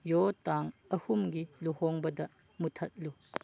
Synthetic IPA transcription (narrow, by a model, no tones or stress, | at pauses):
jotaŋɐhumɡiluhoŋbɐdɐ | mutʰɐt̚lu